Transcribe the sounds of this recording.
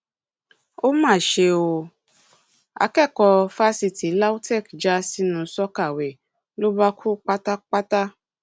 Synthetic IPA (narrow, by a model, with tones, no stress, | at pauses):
o˦mãː˦˨ʃe˧o˧ | a̰˨˧kɛ˦˨kɔ˧fa˦si˧ti˨˦la˦u˦tɛ˦˨kd͡ʒa˦si˦nũ˧sɔ˦ka˦˨wɛ˨ | lo˦ba˦kʰu˦k͡pa˦ta˦k͡pa˦ta˦